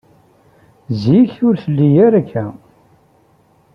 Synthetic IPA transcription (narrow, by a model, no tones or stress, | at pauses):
ziçʊɾθəlːijæɾækʰːæ